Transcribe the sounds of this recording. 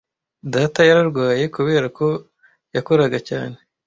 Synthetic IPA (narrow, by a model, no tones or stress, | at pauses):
daːtajaɾaɾɡwaːje̞kuβe̞ːɾako̞ | jako̞ɾaɡaca̰ːne̞